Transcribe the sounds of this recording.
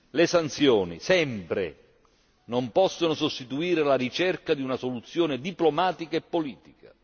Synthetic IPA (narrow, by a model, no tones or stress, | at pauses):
lesant̪sjɔːnḭsɛmpɾḛ | nompɔsːonʊsost̪it̪uiːɾɪlaɾit͡ʃɛrkad̪iunasolut̪sːjoːnɪd̪iplomaːt̪ikaepːoliːt̪ika